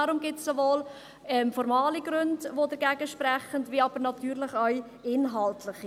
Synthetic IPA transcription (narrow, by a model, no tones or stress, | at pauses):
ɑɾʊmɡɪtsovoːl | ɛmfɔɾmɑːliɡɾɵndʋodəɾɡɛːɡəʃprɛχəndviːɑb̥əɾnɑtyːɾlɪχœɥ | ɪnɦɑltʰlɪχi